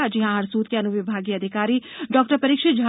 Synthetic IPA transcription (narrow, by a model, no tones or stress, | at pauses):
ad͡ʒɪɦãɐɾsuːt̪keɐnuʋɪbʱaːɡiɐd̪ʱɪkaːɾiɖɔːk̚ʈəɾpɐɾɪkʃɪt̪̚d͡ʒʱa